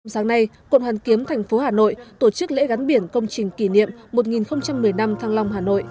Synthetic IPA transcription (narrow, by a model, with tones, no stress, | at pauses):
msaː˨˦ŋna˧jkə̰˧˨nhwaː˨˩nki˨˦əmt̪ʰɛ˨˩ŋ̟fo˨˦haː˨˩no̰˧˨jt̪o˧˩t͡ɕɨ˦˥k̚lḛ˧˥ɣa˨˦nɓi˧˩ənkə˧wŋ͡mt͡ɕï˨˩ŋ̟ki˧˩nḭ˧˨əmmːo˨˩t̚ŋi˨˩nxə˧wŋ͡mt͡ɕa˧mːɨ˨˩əjna˧mt̪ʰaː˧ŋla˧wŋ͡mhaː˨˩no̰˧˨jʔ